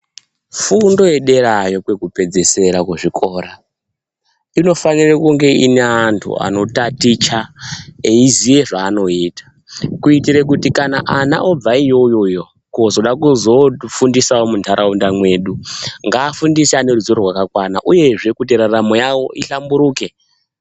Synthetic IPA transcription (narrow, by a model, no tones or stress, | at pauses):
fundo̞je̞ɗe̞ɾajo̞kwekupe̞d͡ze̞se̞ɾakwuʐiko̞ːɾa | ino̞fanirekuŋɡe̞ineantʰṵa̰no̞tatit͡ʃaeizije̞ʐaːno̞itḁ | kuitiɾek̬utikanaʔana̰ʔo̞b͡vaijo̞jo̞jo̞ | kozo̞ɗakuzo̞fundisawo̞muntʰaɾʔaundamwe̞ːɗuŋɡaːfundisiane̞ruzoɾorwakakwana̰ʔuje̞ʐe̞kuteɾaramo̞jawo̞̰iɬambuɾuːke